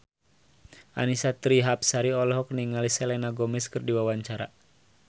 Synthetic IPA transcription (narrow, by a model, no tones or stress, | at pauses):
ʔa̰nisat̪ɾiɦap̚saɾiɔlɔɦɔk̚niŋalisɛlɛnaɡɔmɛskɨrdiwawaɲt͡ʃaɾa̰